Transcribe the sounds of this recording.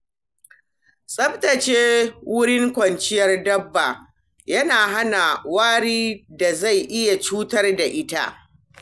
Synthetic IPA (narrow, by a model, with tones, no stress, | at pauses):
sʼɐ˦btɐ˨t͡ʃeː˦wʊ˦ɽɪ˦ŋkʷɐ˨nt͡ʃɪ˦jɐ˨rdɐ˦bːa˨ | jɐ˦naː˨ɦa˦na˨waː˦ɽiː˦da˨za˦˨jʔɪ˦ja˨t͡ʃuː˦tɐ˦rda˨ʔɪ˦ta̰˦ʔ